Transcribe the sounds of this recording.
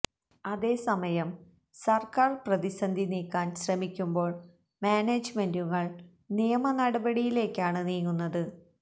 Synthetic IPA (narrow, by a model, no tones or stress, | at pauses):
ɐðe̞ːsɐmɐjɐm | sɐrkaːrprɐðisɐnd̪ʱiniːkːaːnɕrɐmikʲːumbo̞ːɭ | maːneːd͡ʑmenduŋɐɭ | nijɐmɐnɐɽɐbɐɽijile̞ːkːaːɳɨniːŋːunːɐðɨ